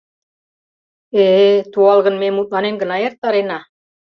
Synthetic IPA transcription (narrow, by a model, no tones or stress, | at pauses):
et̪uɑlˠɣɤ̆nmemut̪̚lɑnenɡɤ̆nɑjɑɾt̪̚ːɑɾenɑ